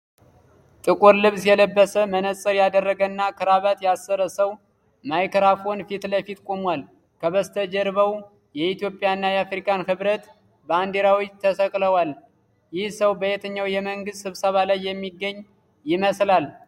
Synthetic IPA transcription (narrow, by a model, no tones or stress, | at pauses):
t̪ʼɨkʼuɾlɨβsjɛləbːəsəmənəsʼəɾjad̪ərːəɡənːakʰɨɾaβat̪jasːəɾəsəw | majkəɾafo̞nfit̪ləfit̪kʼo̞mwal | kʰəβəst̪ʰəd͡ʒɛɾβəw | jɛit̪jo̞pʼːɪjanːajɛafɾikʼanhɨβɾət̪ | bəand̪eɾawit̪ʰəsəkʼləwal | jɪhsəwbəjet̪ʰəɲːawjɛməŋɡɨst̪sɨβsəβalajːɛmːiɡːəɲː | jɪməslal